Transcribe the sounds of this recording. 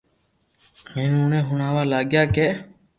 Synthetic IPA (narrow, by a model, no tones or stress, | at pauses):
heːnoːɳẽːɦʊɳaːʋaːlaːɡjaːkeː